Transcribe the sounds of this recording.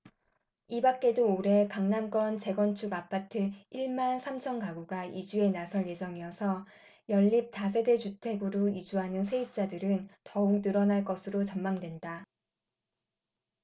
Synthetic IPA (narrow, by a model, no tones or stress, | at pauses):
ibak͈e̞doːɾe̞kaŋnank͈wʌnt͡ɕe̞ɡʌnt͡ɕʰuɡapʰatʰɯiɭmansʰamt͡ɕʰʌnkaɡuɡaid͡ʑue̞nasʰʌɭje̞d͡ʑʌŋijʌsʰʌ | jʌʎːip̚tas̬ʰe̞det͡ɕutʰe̞ɡɯɾoid͡ʑuɦanɯnsʰe̞ip̚t͡ɕ͈adɯɾɯntʌuk̚nɯɾʌnaɭk͈ʌsʰɯɾot͡ɕʌmmaŋdwe̞nda